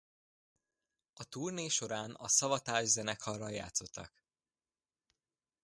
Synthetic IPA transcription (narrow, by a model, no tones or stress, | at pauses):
ɒt̪uːrneːʃo̞ɾaːnɒ̰sɒvɒt̪aːʒzɛnɛkhɒrːɒja̰ːt̪so̞t̪ʰːɒ̰k